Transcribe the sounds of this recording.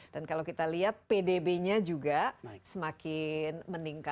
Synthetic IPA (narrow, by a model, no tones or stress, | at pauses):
d̥ankalawkit̪aliɦat̪̚pedebeɲad͡ʒuɡasəmakɪnməniŋka